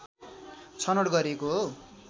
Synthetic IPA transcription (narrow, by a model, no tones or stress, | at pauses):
t͡sʰʌnoʈɡʌɾekoɦo